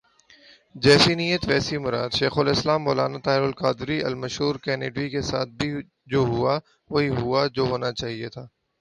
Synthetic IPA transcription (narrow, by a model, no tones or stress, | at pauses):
d͡ʒɛːsinijət̪ʋɛːsimʊɾaːd̪ʃeːxʊlɪslaːmːoːlaːnat̪aːɦɪɾʊlkaːd̪ɾiɐ̰lmɐʃɦuːɾkɛːneːɖʋikesaːt̪̚ʰbʱi | d͡ʒoːɦʊa | ʋoːiɦʊad͡ʒoːɦoːnat͡ʃaːɦiet̪ʰaː